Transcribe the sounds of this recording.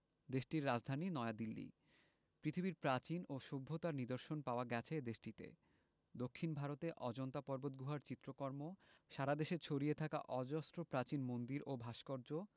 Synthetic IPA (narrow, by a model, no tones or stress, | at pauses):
d̪eʃʈiɾːad͡ʑd̪ʱaninɔead̪ilːḭ | pɾit̪ʰibiɾpɾat͡ɕinoʃobʱːot̪aɾnid̪oɾʃonpaoaɡɛt͡ɕʰed̪eʃʈit̪ḛ | d̪okʰːinbʱaɾot̪eʔɔd͡ʑɔnt̪apɔɾbot̪̚ɡʱuɦaɾt͡ɕit̪ːɾokɔɾmoʃaɾad̪eʃet͡ɕʰoɾiet̪ʰaka̰ʔɔd͡ʑɔst̪ɾopɾat͡ɕinmond̪iɾobʱaʃkɔɾd͡ʑo